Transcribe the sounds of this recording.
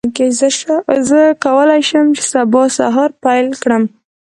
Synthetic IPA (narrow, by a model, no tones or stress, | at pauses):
kezəʃzəkawəlajʃəmt͡ʃe̥sabɑsa̰ɦɑɾpajlkɽəm